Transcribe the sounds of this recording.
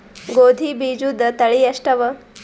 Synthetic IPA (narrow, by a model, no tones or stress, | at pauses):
ɡod̪ʱibid͡ʒud̪ət̪ɐɭiɐʂʈɐʋə